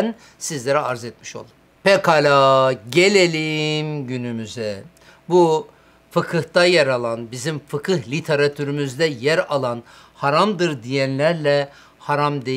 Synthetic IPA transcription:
n | sizlʲeɾɛaɾzet̪̚miʃo̞̰lˠum | pekalʲaɟelʲelʲimɟynymyzɛ | bu | fɯkʰɯht̪ajaɾalˠanbizimfɯkʰɯhlʲit̪ʰeɾat̪ʰyɾymyzd̪ɛjæɾalˠan | haɾamd̪ɯɾd̪ijænlʲæɾlʲɛ | haɾamd̪e

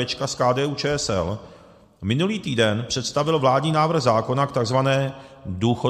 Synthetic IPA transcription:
ɛt͡ʃkaskaːdɛːʔuːt͡ʃɛːɛsɛ̰l | mɪnuliːt̪iːdɛnpr̝̥ɛt̪st̪avɪlvlaːdɲiːnaːvr̩ɣzaːko̞nakt̪aɡzvanɛː | duːxo

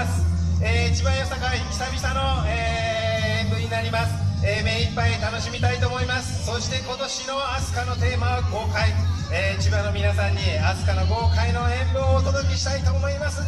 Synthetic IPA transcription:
sɨ̥eːit͡ɕibãɰ̃josakaikʲi̥sabʲisano̞eːẽmbɯ̟ɲ̟inaɾʲimasɨ̥eːme̞ːipːait̪ano̞ɕimʲit̪ait̪o̞ːmo̞imasɨ̥so̞ɕi̥t̪e̞ko̞t̪o̞ɕino̞asɨ̥kano̞t̪e̞ːmaoko̞ːkaieːit͡ɕibãnːo̞mʲinasãɲ̟ːiat͡sɨ̥kano̞ɡo̞ːkaino̞ẽ̞mbɯoːt̪o̞d̪o̞kʲeɕi̥t̪ait̪o̞ːmo̞imasɨ

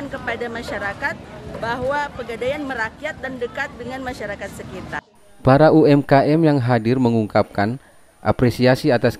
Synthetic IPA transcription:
nkəpadamaʃaɾakat̪̚baɦwapəɡadajanməɾakijat̪̚dandəkat̪̚dəŋanmaʃaɾakat̪̚səkit̪a | paɾauɛmkaʔɛmjaŋɦadɪrməŋuŋkap̚kan | ʔa̰pɾesiasiat̪as

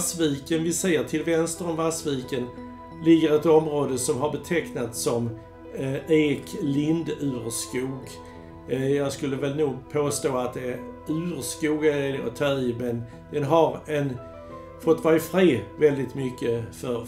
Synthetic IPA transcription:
sviːkənvɪsejəʈʰɪlvɛnst̪əɾɔmvasviːkən | lɪɡːəɾɛt̪ɔmɾoːd̪əsɔmɦaɾbɛt̪ʰɛknat̪sɔm | eːklɪnd̪ʉ̟ːɾskuːɡ | jɑːɡskɵlːəvɛlnuːɡpʰoːst̪oːat̪̚d̪ɛæɾ | ʉːɾskuːɡaelɔ̰t̪ʰœɪːmɛn | d̪̥ɛnɦaɾɛn | fɔt̪ːvɑjfɾeːvɛld̪ɪt̪mʏkːəfœɾ

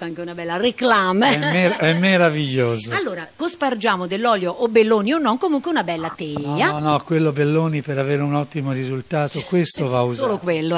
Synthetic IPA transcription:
t̪aŋk̟eunabɛlːareklaːmɛeɾɛmːeɾaviʎːoːzoalːoːɾakospard͡ʒaːmod̪elːɔːljoʔːbelːoːnionːɔŋkomuŋkweunabɛlːat̪ɛʎːanɔkwelːobelːoːnipeɾaveːɾeunɔt̪ːimorizult̪aːt̪okwest̪ovauzoːlokwelːo

